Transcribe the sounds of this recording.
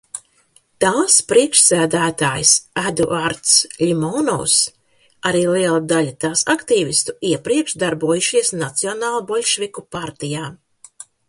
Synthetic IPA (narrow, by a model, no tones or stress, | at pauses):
t̪aːspɾiɛkʃsæːd̪æːt̪aːjsæd̪ṵʔaɾt̪slʲimɔnɔ̰ws | aɾiːlˠiɛlˠad̪alʲat̪aːsakt̪iːvʲist̪uiɛpɾiɛkʃd̪aɾbuɔjuʃiɛsnat̪siɔnaːlˠubɔlʲʃvʲikupaɾt̪ijaː